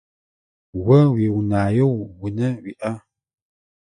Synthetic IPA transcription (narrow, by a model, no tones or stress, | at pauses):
wəwiwunajowwunəwiʔa